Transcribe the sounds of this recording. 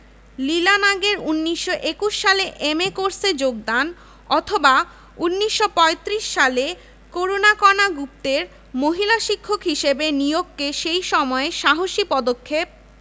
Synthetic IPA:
lilanaɡeɾunːiʃːoʔekuʃːaleʔemekoɾsed͡ʑoɡ̚d̪an | ɔt̪ʰoba | unːiʃːopɔet̪ɾiʃːale | koɾonakɔnaɡup̚t̪eɾ | moɦilaʃikʰːokɦiʃebenijoɡkeʃejʃɔmɔeʃaɦoʃipɔd̪okʰːep̚

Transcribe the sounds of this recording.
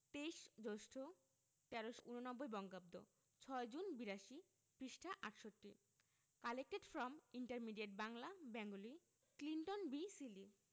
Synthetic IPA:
t̪ejʃd͡ʑoʃʈʰo | t̪ɛɾoʃunonɔbːojbɔŋɡab̚d̪o̰ | t͡ɕʰɔed͡ʑunbiɾaʃi | pɾiʃʈʰaʔaʈʃoʈːi | kalekːeʈfɾɔmiɳʈaɾmiɖieʈ̚baŋlabɛŋɡoli | kliɳʈonbisili

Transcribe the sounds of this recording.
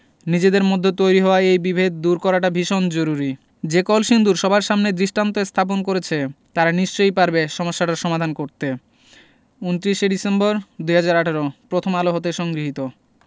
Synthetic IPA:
nid͡ʑed̪eɾmod̪ʱːet̪ojɾiɦɔoaejbibʱed̪̚d̪uɾkɔɾaʈabʱiʃond͡ʑoɾuɾi | d͡ʑekɔlʃind̪uɾʃɔbʱaɾʃamned̪ɾiʃʈant̪oest̪ʰap̬onkoɾet͡ɕʰet̪aɾaniʃt͡ɕojpaɾbeʃɔmoʃːaʈaɾʃɔmad̪ʱankoɾt̪e | unt̪ɾiʃeɖisembɔɾd̪ujɦad͡ʑaɾaʈʰaɾopɾot̪ʰomaloɦot̪̬eʃɔŋɡɾiɦit̪o

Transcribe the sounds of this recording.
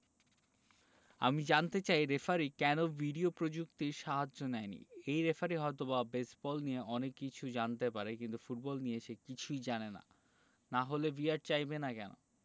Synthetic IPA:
a̰mid͡ʑant̪et͡ɕajɾefaɾikɛnobʱiɖiopɾod͡ʑukt̪iɾʃaɦad͡ʑʑonɛenḭejɾefaɾiɦɔet̪̬obabesbɔlnieɔnekːit͡ɕʰud͡ʑant̪epaɾekint̪ufuʈ̚bɔlnijeʃekit͡ɕʰujd͡ʑanena̰ | naɦolebiaɖ̚t͡ɕajbenakɛno̰

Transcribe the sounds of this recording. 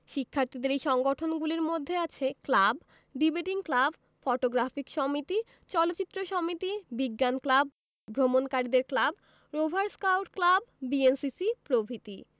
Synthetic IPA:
ʃikʰːaɾt̪id̪eɾejʃɔŋɡoʈʰonɡuliɾmod̪ʱːeat͡ɕʰeklab | ɖibeʈiŋklab | fɔʈoɡɾafikʃɔmit̪i | t͡ɕɔlotːt͡ɕit̪ːɾoʃɔmit̪ibiɡːanklab̚ | bʱɾomonkaɾid̪eɾklab | ɾobʱaɾskawʈklabːiensisipɾobʱit̪ḭ

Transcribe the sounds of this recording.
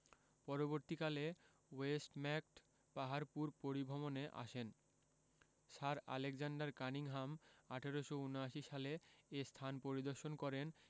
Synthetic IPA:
pɔɾoboɾt̪ikale | wesʈmɛk̚ʈ | paɦaɾpuɾpoɾibʱɔmoneʔa̰ʃen | ʃaɾa̰lekd͡ʑaɳɖaɾkaniŋɦamaʈʰaɾoʃounoaʃiʃaleest̪ʰanpoɾid̪oɾʃonkɔɾen

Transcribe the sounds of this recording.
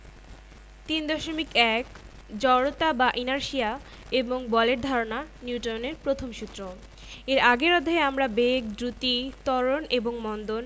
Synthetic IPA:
t̪ind̪ɔʃomikɛk | d͡ʑɔɽot̪abaʔinaɾʃia | eboŋbɔleʈ̚d̪ʱaɾonaniuʈoneɾpɾot̪ʰomʃut̪ːɾo | eɾaɡeɾɔd̪ʱaeamɾabek̚d̪ɾut̪it̪ɔɾoneboŋmɔnd̪on

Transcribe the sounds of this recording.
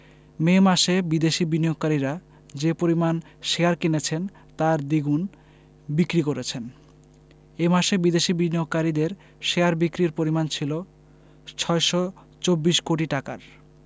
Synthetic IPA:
memaʃebid̪eʃibinioɡkaɾiɾa | d͡ʑepoɾiman | ʃeaɾkenet͡ɕʰen | t̪aɾd̪iɡun | bikɾikoɾet͡ɕʰen | emaʃebid̪eʃibinioɡ̚kːaɾid̪eɾ | ʃeaɾbikɾiɾpoɾimant͡ɕʰilo | t͡ɕʰɔeʃɔ | t͡ɕobːiʃkoʈ̬iʈaka̰ɾ

